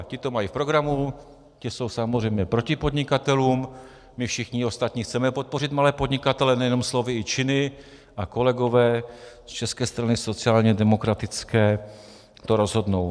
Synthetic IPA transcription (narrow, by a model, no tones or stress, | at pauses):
cɪt̪o̞majifpɾo̞ɡɾamu | cɪso̞wsamozr̝ɛjmɲɛpɾo̞cɪpo̞d̪ɲɪkat̪ɛluːm | mɪfʃɪxɲɪo̞st̪at̪ɲixt͡sɛmɛpo̞t̪̚po̞r̝ɪt̪malɛːpod̪ɲɪkat̪ɛlɛnɛjɛno̞mslo̞vɪɪt͡ʃɪnɪ | ʔako̞lɛɡovɛːst͡ʃɛskɛːst̪ɾanɪso̞t͡sɪaːlɲɛdɛmo̞kɾat̪ɪt͡skɛː | t̪o̞ɾo̞zɦo̞dno̞w